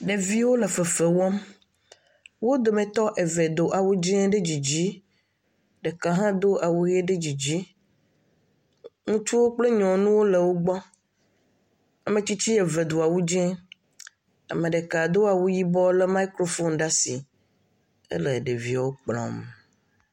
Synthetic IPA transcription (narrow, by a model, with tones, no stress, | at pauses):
ɖe˨vi˦wo˦le˨fe˨fe˨wɔ˦m | wo˦d̪o˨mẽ˨t̪ɔ˦ʔe˨ve˨d̪o˨ʔa˨wu˦d͡ʒɛ˦ɖe˦d͡ʑi˨d͡ʑi˦ | ɖe˨ka˨ɦã˦d̪o˦ʔa˨wu˦ɣe˦ɖe˦d͡ʑi˨d͡ʑi˦ | ŋũ˦t͡ʃu˦wo˦k͡ple˦ɲɔ̃˨nũ˦wo˦le˨wo˦ɡ͡bɔ˦ | a˨mẽ˨t͡ɕi˦t͡ɕi˦e˨ve˨d̪o˨a˨wu˦d͡ʒɛ̃˦ | a̰˨mẽ˨ɖe˨ka˨d̪o˦a˨wu˦ji˦bɔ˦le˦ma˦i˦kɾo˦fo˦nɖa˦si˨ | ə̰˦le˨ɖe˨vi˦˨wo˦k͡plɔ̰̃˨m